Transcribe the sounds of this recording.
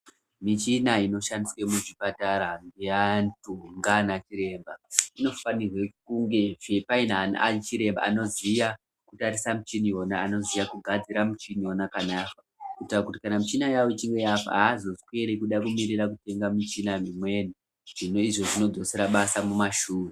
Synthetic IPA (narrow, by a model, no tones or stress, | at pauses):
mit͡ʃinaino̞ʃandiswemuʐipataɾaŋɡejantuŋɡanat͡ʃiɾe̞ːmbaino̞fanirwekuŋɡe̞vepainana̰t͡ʃiɾe̞mba̰ːno̞zija | kutaɾisamut͡ʃinio̞naːno̞zijakuɡʱad͡ziɾamut͡ʃinio̞nakanaka | kutakutikanamut͡ʃinajawoit͡ʃiŋɡe̞japa̰aːzo̞skwe̞ɾekuɗakumirirak̬ute̞ŋɡamit͡ʃinamimwe̞ni | ʐ̥ino̞iʐo̞ʐino̞d͡zo̞seɾaɓasamumaʃuːri